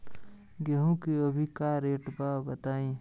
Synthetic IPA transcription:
ɡɛɦũkiɐbʱikaːɾeːʈbabɐt̪aːĩː

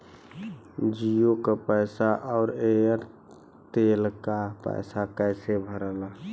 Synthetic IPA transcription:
d͡ʒijokəpəjsaʔɔʊɾeəɾ | t̪elkapə̰jsakəɪsebʱəɾəla

